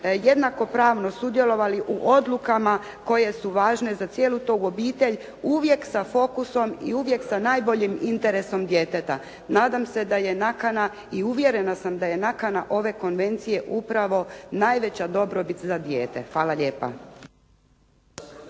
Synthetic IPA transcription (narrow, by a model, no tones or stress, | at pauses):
je̞d̪nako̞pɾaːʋno̞sud̪je̞lo̞ʋaliʔuʔo̞d̪lˠukama | ko̞je̞suʋaːʒne̞zat̪sjelut̪oo̞biːt̪e̞ʎ | uʋje̞ksafo̞kuso̞mḭuʋje̞ksanaːjbo̞ʎimint̪e̞ɾe̞so̞md̪je̞ːt̪e̞t̪a | naːd̪amse̞d̪aje̞nakana | iuʋje̞ɾe̞nasamd̪aje̞nakanaʔo̞ʋe̞ko̞nʋe̞nt̪sije̞ʔupɾaʋo̞naːjʋe̞t͡ɕad̪o̞bɾo̞bit̪zad̪je̞ːt̪e̞̰xʋaːlaʎe̞ːpa̰